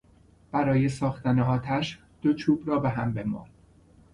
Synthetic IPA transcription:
b̥æɾɒːje̞sɒːxt̪æneɒːt̪ʰæʃ | d̪̥o̞t͡ʃʰuːbrɒːbe̞ɦæmbe̞mɒ̰ːn

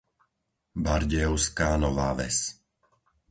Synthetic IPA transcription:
baɾɟɛɔʊskaːnɔʋaːʋɛ̰s

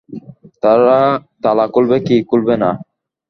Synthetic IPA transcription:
t̪aɾat̪alakulbekikulbena

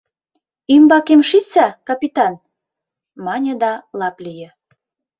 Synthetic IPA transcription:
ymbɑkemʃit͡sækɑpit̪ɑn | mɑnʲə̆d̪ɑlɑplijə̆

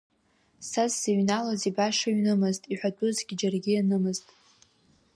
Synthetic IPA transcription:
sazːaɥnalazibaʂaɥnɨmɨztʼiħʷᶣatʼuzɡʲɪd͡ʒarɡʲijanɨmɨztʼ

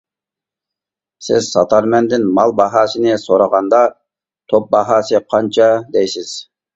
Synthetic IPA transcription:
sɪz̥sɑ̰t̪ʰɑɾmɛnd̪ɪnmɑlˠbɑɦɑːsɨnɪsoɾɑʁɑnd̪ɑ | t̪ʰop̚bɑɦɑːsɨqʰɑnt͡ʃʰɑd̪ɛjsɪz̥

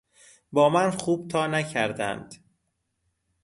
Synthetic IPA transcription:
bɒːmænxuːb̥̚t̪ʰɒːnæcʰæɾd̪æ̰nd̪̥

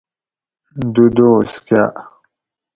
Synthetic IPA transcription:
d̪ud̪oːskjaʔ

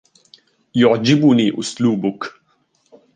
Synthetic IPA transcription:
jʊʕd͡ʒɪbʊniːʔʊsluːbʊk

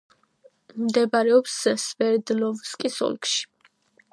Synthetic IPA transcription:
md̪ɛbaɾɛɔpssvɛɾd̪lɔvskʼisɔ̰lkʃi̥

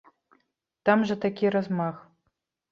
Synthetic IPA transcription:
t̪amʐɐt̪akʲiɾazmax

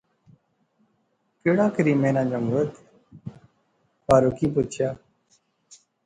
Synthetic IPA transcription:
keːɽaːkəɾiːmẽːnãːd͡ʒəŋɡət̪ | paːɾokiːp̬ʊt͡ʃʰjaː

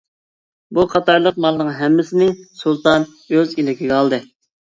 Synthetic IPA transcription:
buqʰɑt̪ɑɾlˠəq̚mɑlˠnɨŋɦɛmːɪsɪnɪŋsulˠt̪ɑn | øzilɪkʲʰiɡʲɛɑlˠd̪ɨ

